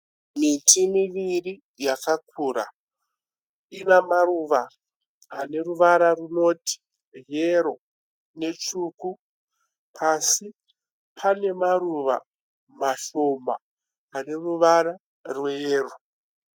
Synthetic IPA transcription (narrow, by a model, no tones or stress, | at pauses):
mitʰimiʋiri | jakakʰuːɾa̰ | inamaruʋaː | ne̞ruʋaɾaruno̞ti̥ | ɦeɾo̞ | ne̞t͡ʃuku | pʰasi | pʰane̞maɾuʋa̰ | maʃo̞mba̰ː | ne̞ruʋaɾa | rwjeːro